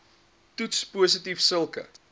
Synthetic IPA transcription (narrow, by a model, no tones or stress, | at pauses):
tutspuːs̬ətifsəlˠkə̰